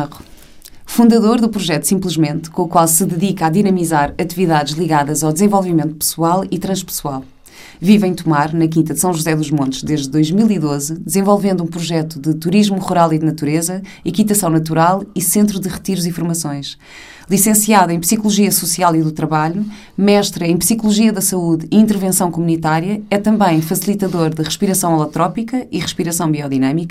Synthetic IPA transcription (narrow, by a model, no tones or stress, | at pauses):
ʁu | fũnd̪ɐðoɾðupɾuʒɛt̪u̥sĩmplˠɨʒmẽnt̪kõukwalˠsɨðɨðikaðinɐmizaɾɐt̪iviðaðʒlˠiɣaðɐzawd̪zẽvolˠvimẽnt̪upɨ̥swalˠit̪ɾɐ̃ʃpɨ̥swalˠ | vivɐ̃j̃t̪umaɾnɐk̬ĩnt̪ɐðsɐ̃w̃ʒuzɛðuʒmõnt̪ʃd̪eʒd̪ɨːojʒmilˠiðozd̪ɨzẽvɔlˠvẽnd̪ũpɾuʒɛt̪uðɨt̪uɾiʒmuʁuɾalˠiðnɐt̪uɾezɐ | ikit̪ɐsɐ̃w̃nɐt̪uɾalˠisẽnt̪ɾuðɨʁɨt̪iɾuzĩfuɾmɐsõj̃ʃ | lˠisẽsiaðɐẽj̃psikulˠuʒiɐsusialˠiðut̪ɾɐβaʎu | mɛʃt̪ɾɐẽj̃psikulˠuʒiɐðɐsɐuðiĩnt̪ɨɾvẽsɐ̃w̃kumunit̪aɾiɐɛt̪ɐ̃mbɐ̃j̃fɐsilˠit̪ɐðoɾðɨʁɨʃpiɾɐsɐ̃w̃lˠɐt̪ɾɔpikɐiʁɨʃpiɾɐsɐ̃w̃biɔðinɐmikɐ